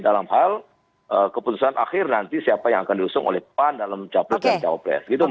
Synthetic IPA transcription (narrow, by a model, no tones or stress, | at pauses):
dalamhal | ʔəkəput̪usanʔa̰xɪrnant̪isiapajaŋakandiusʊŋʔo̰lɛhpandalamt͡ʃaplɔt̪̚ant͡ʃawapɾɛ̰sɡit̪u